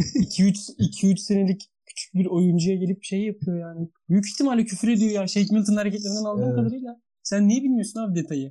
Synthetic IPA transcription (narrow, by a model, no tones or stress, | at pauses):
icʰiyt͡ʃsicʰiyt͡ʃsenelʲic | cʰy̥t͡ʃʰy̥c̚biɾo̞jund͡ʒujaɟelʲip̚ʃejːapʰɯjo̞jaːnɪbjyci̥çt̪ʰimalʲacʰyfyɾe̞d̪ijo̞jaːʃejcmilʲt̪ʰɯnhaɾecʰɛt̪lʲeind̪ænalˠd̪ɯːkʰad̪aɾilʲa | sænːijɛbilʲmijo̞sunavd̪et̪ʰajɯ